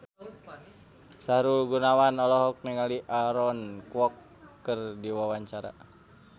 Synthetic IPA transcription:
saɾulɡunawanɔlɔɦɔk̚nɛŋaliʔaɾɔnkuɔkː | ərdiwawaɲt͡ʃaɾa̰

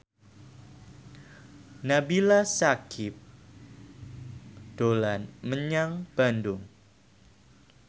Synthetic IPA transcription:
nabilasakʰɪp̚ | d̥olanməɲaŋb̥andʊŋ

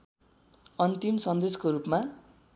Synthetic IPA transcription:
ʌnt̪imsʌnd̪eskoɾupma

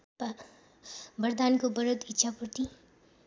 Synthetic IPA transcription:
bəɾd̪aːnkobəɾəd̪ɪtːʃʰapuɾt̪i

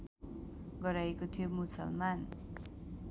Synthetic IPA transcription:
ɡʌɾajekot̪ʰijomusʌ̰lman

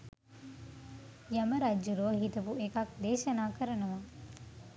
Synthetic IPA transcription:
jɐməɾad͡ʒːuɾoːɦit̪ɐpuekɐk̚d̪eːʃɐnaːkəɾɐnɐʋaː

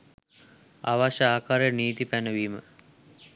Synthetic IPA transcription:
a̰ʋaʃəaːkaɾeniːt̪ipænəʋiːmə̰

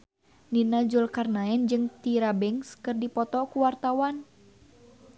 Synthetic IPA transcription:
ninad͡ʒulkarnaɛnd͡ʒɨŋt̪iɾabɛŋskɨrdipɔt̪ɔkuwart̪awan

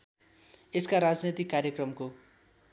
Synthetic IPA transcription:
eskaɾad͡znet̪ikːaɾjʌkrʌmko

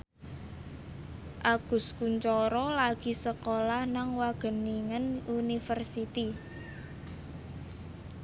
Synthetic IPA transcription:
ʔaɡ̥ʊ̤skuɲt͡ʃɔɾɔlaɡ̥i̤səkolahnaŋwaɡ̥ə̤niŋənunifərsit̪i

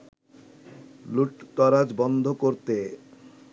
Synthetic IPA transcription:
luʈt̪ɔɾad͡ʑbɔnd̪ʱokoɾt̪e

